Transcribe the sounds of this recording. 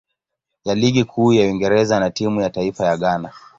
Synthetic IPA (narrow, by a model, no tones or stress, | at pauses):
jaliɠikʰuːjawiŋɡɛɾɛzanatimujataifajaɠana